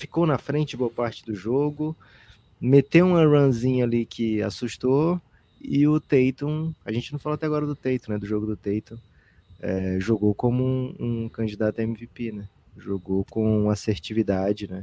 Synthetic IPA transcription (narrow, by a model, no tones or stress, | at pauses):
fi̥kownɐfɾẽnt͡ʃɪboɐpaɾt͡ʃɪ̥d̪ʊʒoɡʊ | met̪ewũmɐɾɐ̃zĩɲɐalikʰɪa̰suʃt̪o | ɪʊt̪ejt̪õw̃ɐʒẽt͡ʃɪnɐ̃faloat̪ɛaɡɔɾɐd̪ʊt̪ejt̪õnɛd̪ʊʒoɡʊd̪ʊt̪ejt̪õ | ɛ̰ʒoɡowkõmʊũkɐ̃d͡ʒid̪at̪ʊɐẽmivepenɛ | ʒoɡowkõũaseɾt͡ʃivid̪ad͡ʒɪnɛ